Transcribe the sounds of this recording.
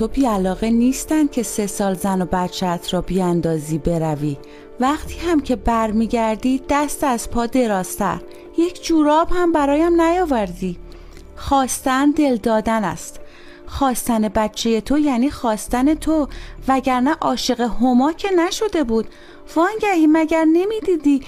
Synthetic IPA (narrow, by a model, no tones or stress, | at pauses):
t̪ʰo̞biːælɒːɣe̞niːst̪ænd̪̚cʲʰe̞se̞sɒːlzænobæt̪t͡ʃʰæːt̪ʰɾɒːbiːænd̪ɒːziːbe̞ɾæviː | væχt̪ʰiːhæmcʰe̞bæɾmiːɟæɾd̪iːd̪̥æst̪æzpʰɒːd̪e̞ɾɒːz̥t̪ʰæ̰ɾ | je̞cʰd͡ʒuːɾɒːbhæmbæɾɒːjæmnæjɒːvæɾd̪iː | xɒːst̪ænd̪e̞ld̪ɒːd̪ænæ̰st̪ | xɒːst̪æne̞bæt̪t͡ʃʰe̞je̞t̪ʰojæniːxɒːst̪æne̞t̪ʰovæɟæɾnæʔɒːʃe̞ɣehomɒːcʰe̞næʃo̞d̪e̞buːd̪̥ | vɒːnɟæhiːmæɟæɾne̞miːd̪iːd̪iː